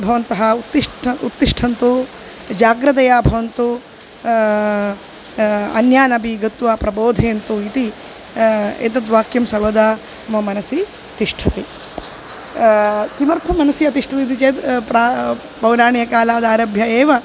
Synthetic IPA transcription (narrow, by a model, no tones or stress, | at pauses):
bʱɐʋɐnt̪ɐɦɐut̪ːiʂʈut̪ːiʂʈʰɐnt̪u | d͡ʒaːɡɾɐt̪̬ɐjaːbʱɐʋɐnt̪u | ɐ̰njaːnɐbiɡɐt̪ʋaːpɾɐboːd̪ʱeːnt̪uit̪i | ḛt̪̬ɐt̪ʋaːkjɐmsɐɾʋɐd̪aː | ɐmɐmɐnɐsi | ɐt̪iʂʈʰɐt̪i | k̪imɐɾt̪ʰɐmːɐnɐsiɐt̪iʂʈʰɐt̪it̪it͡ʃeːd̪pɾaː | bɐwɾaːɳijɐkaːlaːd̪aːɾɐbʱjɐeːʋɐ